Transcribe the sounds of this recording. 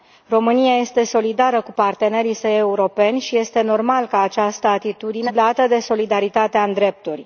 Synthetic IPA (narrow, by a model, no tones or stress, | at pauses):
ro̞mɨniaje̞st̪e̞so̞lid̪aɾəkupart̪e̞ne̞ɾisəje̞uɾo̞pe̞nʲʃije̞st̪e̞no̞rmalkəat͡ʃast̪əat̪it̪ud̪ineblat̪əd̪e̞so̞lid̪aɾit̪at̪eaɨnd̪ɾe̞p̚t̪urʲ